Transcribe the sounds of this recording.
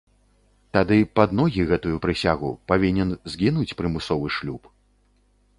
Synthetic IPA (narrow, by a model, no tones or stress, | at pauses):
t̪ad̪ɨpad̪nɔɣʲiɣɛt̪ujupɾɨsʲaɣṵpavʲinʲɛnzɡʲinut͡sʲpɾɨmɨsɔvɨʂlʲup